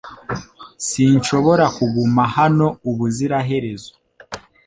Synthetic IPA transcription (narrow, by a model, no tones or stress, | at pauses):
sinʃo̞βo̞ɾakuɡumahano̞uβuziɾaɦe̞ɾe̞zo̥